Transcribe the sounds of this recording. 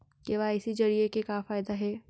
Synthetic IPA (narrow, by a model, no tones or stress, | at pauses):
keʋaɪsid͡ʒɐɾiekekaːfaːjd̪aɦɛː